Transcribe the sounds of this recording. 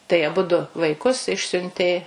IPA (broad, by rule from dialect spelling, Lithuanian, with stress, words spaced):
tɐɪ ɐˈbʊdʊ ʋɐɪˈkʊs ˈɪʃʲsʲʊnʲtʲeː